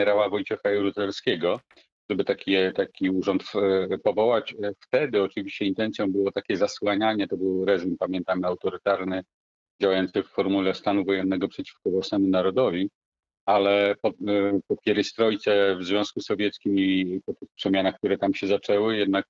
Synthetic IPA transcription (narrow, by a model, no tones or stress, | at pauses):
ɛɾawavɔjt̪ɛxajɛɾut̪ɛlskʲɛɡɔ | ʐɛbɘt̪akʲit̪akʲiuʐɔnt̪pɔvɔwat͡ɕft̪ɛd̪ɘɔt͡ʂɘvʲiɕt͡ɕɛint̪ɛnt̪sjɔ̃w̃bɘwɔt̪akʲɛzaswaɲaɲɛt̪ɔbɘwɾɛzumpamʲjɛnt̪amawt̪ɔɾɘt̪aɾnɘ | d͡ʑawajɔnt̪sɘfːɔɾmulɛst̪anuvɔjɛnːɛɡɔpʂɛt͡ɕi̥fkɔvwasnɛmunaɾɔd̪ɔvʲi | alɛpɔpɔpʲjɛɾɛjst̪ɾɔjt̪sɛvzvʲjɔ̃skusːɔvʲjɛt̪skʲimipɔt̪ɘxpʂɛmʲjanaxk̚t̪uɾɛt̪amɕɛzat͡ʂɛwɘjɛd̪nak̚